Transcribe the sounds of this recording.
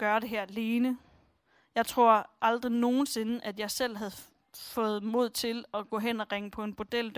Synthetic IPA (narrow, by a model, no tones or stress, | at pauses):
ɡ̥ɶɐɾe̝ɦæɐ̰liːnə | jɑ̈ɪt͡sʰʁo̝ɐ̰ʔɑ̈ld̥ʁino̝ːn̩se̝nəʔæd̥jɑ̈ɪsel̰ɦæð̩ˠ | fɔ̰̽ːð̞̩ˠmo̝ð̰ˠt͡sʰe̝lɒ̽ɡ̥ɔ̰̽ɦen̰ɒʁeŋəpʰɒ̽e̝nb̥o̝d̥el̰d̥